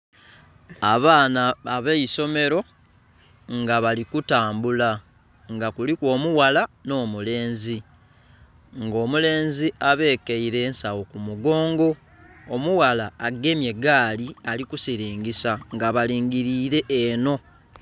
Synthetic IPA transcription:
aβaːnaːβeiso̞me̞ɾo̞ | ŋɡaβalikutaːmbula | ŋɡakulikwo̞ːmuwalano̞ːmule̞ːnzi | ŋɡo̞ːmule̞ːnziaβe̞ːkeiɾe̞ːnsawo̞kumuɡo̞ːŋɡo̞ː | muwalaːɡe̞mje̞ɡaːlialikusiɾiːŋɡisaŋɡaβaliːŋɡiɾiːɾe̞ʔːno̞

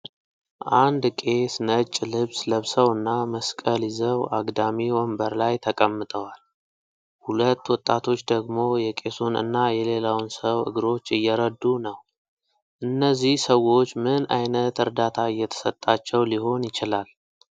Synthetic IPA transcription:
ʔand̪kʼe̞snət͡ʃʼːlɨβsləβsəwɨnːaməskʼəlizəwaɡd̪amiwɔmbəɾlajt̪ʰəkʼəmːɨt̪ʼəwal | hulət̪ːwɔt̪ʼːat̪ʰo̞t͡ʃːd̪əɡmo̞jɛkʼe̞sunɨ̰nːajɛle̞lawnsəwɨ̰ɡɾo̞t͡ʃːɨjːɛɾəd̪unəw | ʔɨnːəzːihsəwo̞t͡ʃːmɨnajnət̪ɨɾd̪at̪ʰaɨjːɛt̪ʰə̥sət̪ʼːat͡ʃːɛwliho̞njɪt͡ʃɪlal

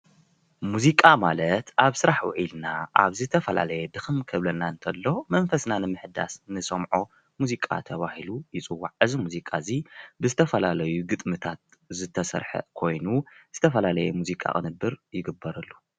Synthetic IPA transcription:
muzikʼamalɐt̪ʔaβsɨɾaħwɔ̰ʕilnaʔaβzɨt̪ʰɐfɐla̰lɐjɛd̪ɨxɨmkʰɐβlɐnaɨnt̪ʰɐlːo̞mɐnfɐsnanɨmɨħd̪a̰snɨsɐmʕo | muzikʼa̰t̪ʰɐβahilujɪt͡sʼɨwːaʕɨzimuzikʼazibɨzɨt̪ʰɐfɐlalɐjuɡɨt̪ʼmɨt̪ʰat̪̚ | zɨt̪ʰɐsɐ̰ɾħɐ̰kʰo̞jnuz̥ɨt̪ʰɐfɐlalɐjɛmuzikʼa̰kʼɨ̰nɨbːɨɾjɪɡɨbːɐɾɐlːu

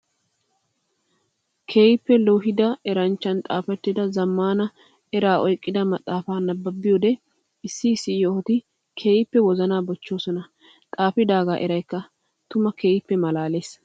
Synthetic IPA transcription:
kʰeːjɪpːɛlɔɦɪd̪ɐɛɾɐnt͡ʃːɐnt̪ʼaːfɛt̪ːɪd̪ɐzɐmːaːnɐ | ɛɾaːɔjkʼːɪd̪ɐmɐt̪ʼːaːfaːnɐbːɐbːɪjoːd̪ɛ | ɪsːɪsːɪjohɔt̪ɪ | kʰe̞ːjɪpːɛwɔzɐnaːbɔt͡ʃːo̞ːsɔnɐ | t̪ʼaːfɪd̪aːɡaːʔɛɾɐjkːɐ | t̪ʊmɐkʰeːjɪpːɛmɐlaːle̞ːs

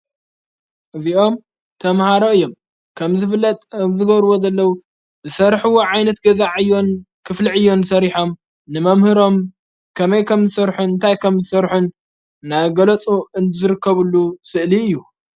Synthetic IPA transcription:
ʔɨziʔo̞m | t̪ʰɐmhaɾo̞ɨjːo̞m | kʰɐmzɨfɨlːɐt̪ʼzɨɡɐɾwo̞zɐlːɐwu | zɨsɐɾħuwoʕajnɐt̪ɡɐzaʕɨjːo̞nkʰɨfliʕɨjːo̞nsɐɾiħo̞m | nɨmɐmhɨɾo̞m | kʰɐmɐjkʰɐmzɨsɐɾħunɨnt̪ʰajkʰɐmzɨsɐɾħunː | aβɡɐlɐt͡sʼuɨnzɨɾɨkʰːɐβlːusɨʔliɨjːu

